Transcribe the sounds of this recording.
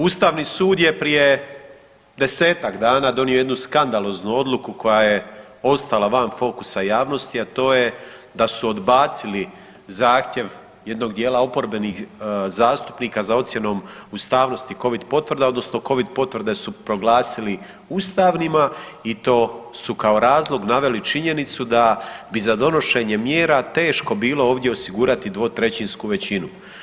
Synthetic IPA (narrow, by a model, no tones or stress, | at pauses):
ust̪aːʋnisuːd̪je̞pɾije̞ | d̪e̞se̞ːt̪akd̪aːnaːd̪o̞nio̞je̞d̪nuskand̪alo̞ːznuo̞d̪lˠukuko̞jaje̞ | o̞st̪alaʋanfo̞ku̥sajaːʋno̞st̪iat̪o̞ːje̞ | d̪asuod̪baːt̪sili | zaːxt̪je̞ʋ | je̞d̪no̞ɡ̚d̪je̞ːlao̞po̞ɾbe̞nixzaːst̪u̥pniːkazao̞t̪sje̞no̞ːmust̪aːʋno̞st̪iko̞ʋid̪po̞t̪ʋr̩d̪eo̞d̪no̞sno̞ko̞ʋid̪po̞t̪ʋr̩d̪e̞supɾo̞ɡlaːsili | ust̪aːʋnimait̪o̞ːsukao̞ɾaːzlˠo̞ɡnaʋe̞lit͡ʃiɲe̞nit̪sud̪abizad̪o̞no̞ʃe̞ːɲe̞mjeːɾat̪e̞ːʃko̞biːlo̞o̞ːʋd̪je̞osiɡuːɾat̪id̪ʋo̞t̪ɾe̞t͡ɕinskuʋe̞t͡ɕinu